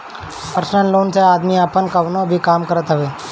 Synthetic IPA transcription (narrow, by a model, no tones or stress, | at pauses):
pəɾəsnəlːoːnseaːd̪miəpənkəʋnõbʱikaːmkəɾət̪ɦəʋeː